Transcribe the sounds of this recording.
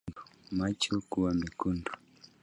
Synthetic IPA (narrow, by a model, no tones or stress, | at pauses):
dumat͡ʃɔkuwamikundu